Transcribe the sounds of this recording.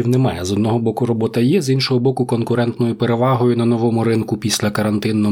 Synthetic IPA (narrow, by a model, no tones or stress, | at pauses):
iwnɛmɑjɛzɔd̪nɔɦɔbɔkʊɾɔbɔt̪ɐjɛzinʃɔɦɔbɔkʊkɔnkʊɾɛnt̪nɔjʊpeɾeʋɑɦɔjʊnɐnɔʋɔmʊɾɪnkʊpʲisʲlʲɐkɐɾɐnt̪ɪnːɔ